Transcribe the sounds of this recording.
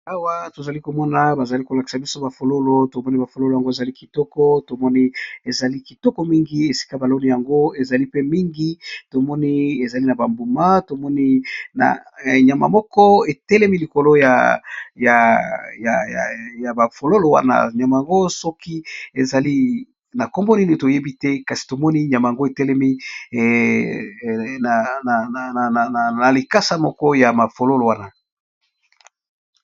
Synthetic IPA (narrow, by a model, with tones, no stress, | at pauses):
a˦wa˦to˨za˨li˦ko˨mɔ˦na˨ba˨za˨li˦ko˨la˨ki̥˨sa˨bi˦so˦ba˨fo˨lo˦lo˨˦to˨mɔ˦ni˦ba˨fo˨lo˦lo˨ja˨ŋɡo˦e˨za˨li˦ki˨tɔ˦kɔ˦to˨mɔ˦ni˦e˨za˨li˦ki˨tɔ˦kɔ˦mi˦ŋɡi˦e˨si̥˦ka˦ba˨lo˦ni˨ja˨ŋɡo˦e˨za˨li˦pe˦mi˦ŋɡi˦to˨mɔ˦ni˦e˨za˨li˦na˨ba˨mbu˨ma˦to˨mɔ˦ni˦na̰˨ɲa˨ma̰˨mɔ˦kɔ˦e˨tɛ˦lɛ˦mi˦li˨ko˨lo˦ja̰˨ja˨ja˨ja˨ja˨ba˨fo˨lo˦lo˨wa̰˦na̰˦ɲa˨ma˨ja˨ŋɡo˦sɔ˦ki˦e˨za˨li˦ | na˨kɔ˦mbo˦ni˦ni˨to˨je˦bi˦tɛ˦ka˨si̥˨to˨mɔ˦ni˦ɲa˨ma˨ja˨ŋɡo˦e˨tɛ˦lɛ˦mi˦ | na˨na˨n˨n˨n˨n˨a˨li˨ka˦sa˦mɔ˦kɔ˦ja˨ma˨fo˨lo˦lo˨wa˦na˨